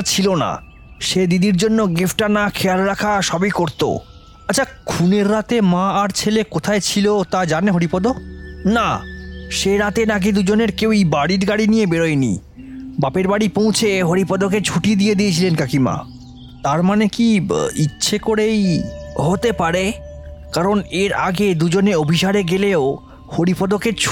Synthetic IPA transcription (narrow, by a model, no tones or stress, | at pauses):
t͡ɕʰilona̰ | ʃed̪id̪iɾd͡ʑonːoɡifʈanakʰealɾakʰaʃɔbikoɾt̪o̰ | atːt͡ɕʰakʰuneɾːat̪emãaɾt͡ɕʰelekot̪ʰaet͡ɕʰilot̪ad͡ʑaneɦoɾipɔd̪onaʃeɾat̪enaɡid̪ud͡ʑoneɾkewejbaɽiɾɡaɽinijebeɾojenḭ | bapeɾbaɽipõw̃t͡ɕʰeɦoɽipɔd̪oket͡ɕʰuʈid̪ijed̪ijet͡ɕʰilenkakima̰ | t̪aɾmanekiitːɕʰekoɾejɦot̪epaɾekaɾoneɾa̰ɡed̪ud͡ʑoneobʱiʃaɽeɡeleo | hoɽipɔd̪oket͡ɕʰ